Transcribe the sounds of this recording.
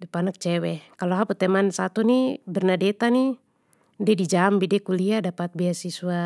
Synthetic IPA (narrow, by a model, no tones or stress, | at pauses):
dɛpanak̚t͡ʃɛwɛkaloɦaput̪ɛmansat̪unibɛrnadɛt̪ani | dɛdid͡ʒambidɛkuliadapat̪̚biasisua